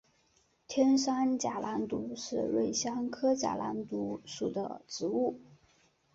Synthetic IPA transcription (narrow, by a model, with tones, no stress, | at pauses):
t̪ʰjɛ˥nʂa˥nt͡ɕja˨˩lʔa˧˥nt̪u˧˥ʂɻ̩˥˧ɻwe˥˩ɪɕjɑ˥ŋkʰɤ˥t͡ɕja̰˨˩la̰˧˥nt̪u˧˥ʂu˨˩d̪ə̰˦ʈ͡ʂɻ̩˧˥u˥˩